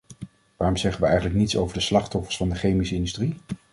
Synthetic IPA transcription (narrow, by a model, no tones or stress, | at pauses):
ʋaːrɔmz̥ɛχənʋəɛjχənləknitso̰wvəɹdəslɑχtɔfəɹsfɑndəχejmisəɪndystri